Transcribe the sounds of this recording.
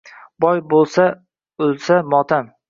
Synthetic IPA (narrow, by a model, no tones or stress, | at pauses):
bɒjbolˠsa | ɵlsamɒt̪ʰan